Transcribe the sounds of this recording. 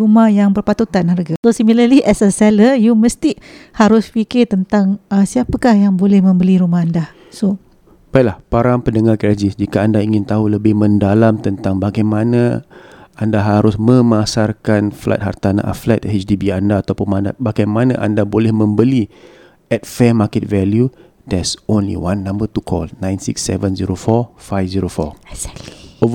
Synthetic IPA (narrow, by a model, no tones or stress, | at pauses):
ɾumahjaŋbərpat̪ut̪anharɡasosimiləliʔɛsəsɛləjuməst̪ihaɾʊspikɪrt̪ənt̪aŋasiapəkahjaŋbolɛhmə̃mbəliɾumahɦanda | so | pajlahpaɾaŋpəndəŋarkɾad͡ʒɪsd͡ʒikaandaiŋɪnt̪aɦuləbɪhmə̃ndalamt̪ənt̪aŋbaɡajmanã | andaɦaɾʊsmə̃masarkanfla̰t̪̚ha̰rt̪anã̰ʔa̰flɛ̰t̪̚ɛt͡ʃdibiandaːt̪awpʊnmanda̰baɡajmãnã̰ʔandabolɛhmə̃mbəli | ɛt̪̚fɛmakɛt̪̚vɛlju | d̥ɛsonlḭwanːãmbət̪ukʰɔ̰lnãjnsḭksːɛ̰vənziɾofɔfajfziɾofɔ̰ | ov